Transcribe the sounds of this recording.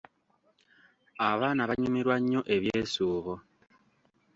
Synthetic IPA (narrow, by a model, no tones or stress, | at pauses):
aβaːnaβaɲumiɾwaɲːoʔe̞βjeːsuːβo